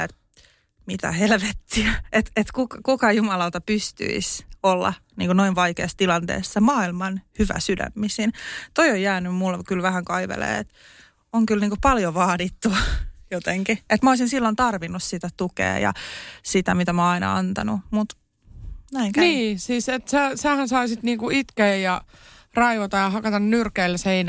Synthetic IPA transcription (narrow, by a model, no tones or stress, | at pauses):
et̪ | mit̪æ̰helʋet̪ːiæet̪et̪kukɑkukɑjumɑlɑlt̪ɑpyst̪y̰isolːɑ̰ | nḭːŋkonoiʋʋɑikeːst̪ilɑnt̪ḛːsːemɑːilmɑnhyʋæ̰sydæ̰mːisint̪oiojːæːnymmulkylʋæhæŋkɑiʋḛlḛːet̪ | oŋkylniːŋkopɑljoʋɑːdit̪ːujot̪eŋkiet̪mæoˑːsinsilːont̪ɑrʋinːussit̪æt̪ukḛːjɑ̰sit̪æmit̪æmɑːɑinɑ̰ɑ̰nt̪ɑnumut̪ | næiŋæniːsiːset̪sæsæhænsɑisit̪niːŋkuit̪keːjjɑ | rɑiʋot̪ɑjɑhɑkɑt̪ɑnnyrkeilsein